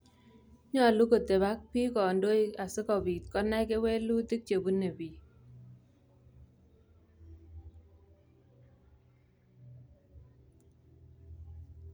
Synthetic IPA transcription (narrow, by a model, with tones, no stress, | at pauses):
ɲɔ˦a˨lu˦ko˨te˨βa˦k̚pi˦kɔ˨ndo˦i˦a˨sɪ˦kɔ˨bi˨t̪̚kɔ˦na˦ke˦we˦lu˦t̪ɪ˦k̚t͡ʃe˨bu˦ne˨bi˨